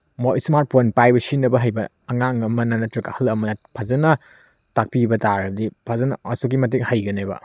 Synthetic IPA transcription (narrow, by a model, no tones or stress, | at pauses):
moismaɾt̚pojnpajbɐsinːɐbɐɦɐjbɐːŋaŋɐmɐnɐnɐtɾikahɐlɐmɐnɐpʰazɐnɐ | tak̚pibɐtaɾɐbɐdipʰazɐnɐ̰ɐsuk̬imɐt̬eŋhajɡɐnebɐ̰